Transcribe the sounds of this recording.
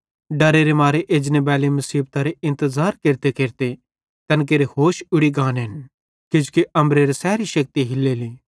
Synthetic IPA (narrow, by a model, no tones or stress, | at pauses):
ɖɐɾeɾemaːɾeʔeːd͡ʒnebɛːlemɐsiːb̚t̪aɾeɪ̃nt̪əzaːɾkeːɾt̪ekeːɾt̪e | t̪ɐnk̬eːɾehoːʃʊɽiɡãːnɦɪn | kɪd͡ʒkiʔɐ̃mbɾeɾesɛːɾiʃɐk̚t̪iɦɪlːeːliː